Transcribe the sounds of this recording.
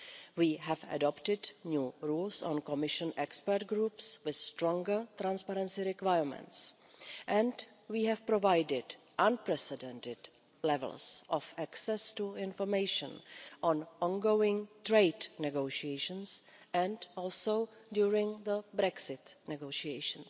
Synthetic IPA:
wiːɦɛva̰dɔptɪdnjuːɾuːlsɔ̰̃nkɔmɪʃə̃nɛkspəɾt̚ɡɾuːpswɪθstɾɔ̃ŋɡə˞t̪ɾãnspaɾɛ̃nsiɾɪkwajəmɛ̰̃nts | ʔɛ̃nt | wiːɦɛfpɾovajdɪd | ʔãnpɾɛsɛdɛ̃ntɪd | lɛvɛ̰lˠsʔɔfɛksɛstuɪ̃nfɔɾmejʃə̰̃nʔɔ̃nʔɔ̃nɡowɪ̃ŋt̪ɾeɪdnɛɡoʃiejʃə̃ns | ɛ̃ntɔːlsow | djuːɹɪ̃ŋðəbɾɛksɪtnɛɡoʃiejʃə̃ns

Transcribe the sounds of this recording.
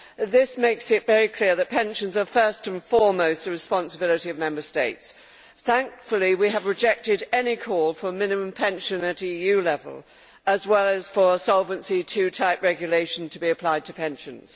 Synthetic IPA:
ðɪsmeɪksɨtvɛɹikʰl̥ɪɹðɨt̚pʰɛ̃nʃɨ̃n̩zə˞fɜ˞stɨ̃nfɔɹmoʊstɨɹɨspɑ̃nsəbɪlˠɨɾiʌvmɛ̃mbə˞steɪts | θæ̃ŋkfl̩ˠiwiɨvɹɨd͡ʒɛk̚tɨɾɛnikʰɔlˠfə˞mɪ̃nɨmə̃mpʰɛ̃nʃɨ̃nɨɾijʉlɛvə̰lˠ | əzwɛlˠɨz̥fə˞əsɑlˠvə̃nsitʰʉtʰaɪpɹɛɡjɨleɪʃn̩tʰəbiɨpʰl̥aɪd̚tʰɨpʰɛ̃nʃɨ̃nz̥

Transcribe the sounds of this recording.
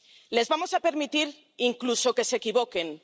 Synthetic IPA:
le̞zβamo̞sape̞ɾmit̪iɾ | iŋkluso̞ke̞sekiβ̞o̞ke̞n

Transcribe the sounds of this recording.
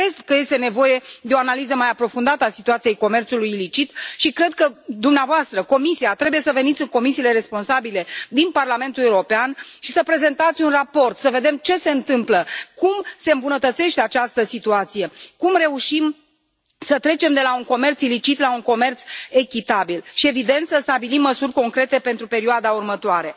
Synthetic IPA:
kɾed̪kəje̞st̪e̞ne̞vo̞je̞d̪e̞oanalizəmajapɾo̞fund̪at̪əasit̪uat̪sije̞jko̞me̞rt̪sulujilit͡ʃit̪ʃikɾe̞d̪̚kəd̪umneavoast̪ɾəko̞misiat̪ɾe̞buje̞səve̞nit̪sʲɨŋko̞misiːle̞ɾe̞spo̞nsabile̞d̪inparlame̞nt̪uleuɾo̞peanʃisəpɾe̞ze̞nt̪at̪sʲunrapo̞rt̪səve̞d̪e̞mt͡ʃe̞se̞ɨnt̪ɨmpləkumse̞ɨmbunət̪ət̪se̞ʃt̪eat͡ʃast̪əsit̪uat̪sije̞kumre̞uʃim | sət̪ɾe̞t͡ʃe̞md̪e̞lauŋko̞me̞rt̪silit͡ʃit̪lauŋko̞me̞rt̪se̞kʲit̪abilʃie̞vid̪e̞nt̪səst̪abilimːəsurʲko̞ŋkɾe̞t̪e̞pe̞nt̪ɾupe̞ɾioad̪aurmət̪oaɾe̞

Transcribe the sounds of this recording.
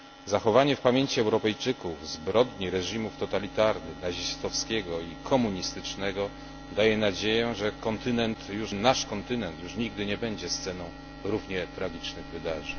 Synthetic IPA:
zaxɔvaɲɛfpamʲjeɲt͡ɕiɛwɾɔpɛjt͡ʂɘkuvzbɾɔd̪ɲiɾɛʐimuft̪ɔt̪alʲit̪aɾnɘxnaʑist̪ɔfskʲɛɡɔikʰɔmuɲist̪ɘt͡ʂnɛɡɔ | d̪ajɛnad͡ʑejɛʐɛkɔnt̪ɘnɛnt̪juʂnaʂkɔnt̪ɘnɛnt̪juʂɲiɡd̪ɘɲɛbɛɲd͡ʑɛst̪sɛnɔ̃w̃ | ɾuvɲɛt̪ɾaɡʲit͡ʂnɘɣvɘd̪aʐɛɲ

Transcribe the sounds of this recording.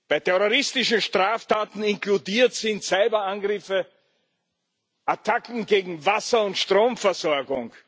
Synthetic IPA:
b̥aɪtʰɛʁoʁɪstɪʃn̩ʃtʁ̥aːftaːtn̩ɪnkludiːɐtsɪntsaɪbɐãnɡʁɪfə | ʔatʰakŋ̩ɡeːɡŋ̩vasɐʊntʃtʁoːmfɛɐzɔɐɡʊŋ

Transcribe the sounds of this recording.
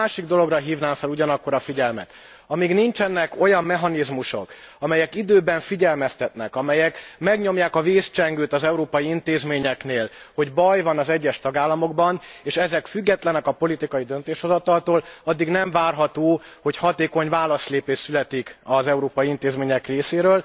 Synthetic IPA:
aːʃiɡd̪o̞lo̞ɡrɒɦiːvnaːɱfɛluɟɒnɒkːo̞ɾɒfiɟɛlmɛ̰t̪ | ɒmiːɡnint͡ʃɛnːɛko̞jɒmːɛɦɒnizmuʃo̞̰k | ɒmɛjɛkid̪øːbɛɱfiɟɛlmɛst̪ɛt̪nɛkɒmɛjɛkmɛɡɲo̞mjaːkɒveːst͡ʃɛŋɡøːt̪ɒzɛuɾoːpɒjiint̪eːzmeːɲɛkneːl | ho̞ɟbɒjvɒnɒzɛɟːɛʃt̪ɒɡaːlːɒmo̞ɡbɒneːʃɛzɛkfyɡːɛt̪lɛnɛkɒpo̞lit̪ikɒjid̪ø̞nt̪eːʃho̞zɒt̪ɒlt̪oːlɒd̪ːiɡnɛɱvaːrɦɒt̪oːho̞chɒt̪eːko̞ɲvaːlɒsleːpeːʃsylɛt̪ikɒzɛuɾoːpɒjiint̪eːzmeːɲɛkreːseːɾøːl

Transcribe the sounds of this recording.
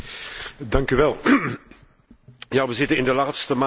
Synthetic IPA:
dɑŋkyʋɛlˠ | jaːʋəzɪtənɪndəlaːtstəm

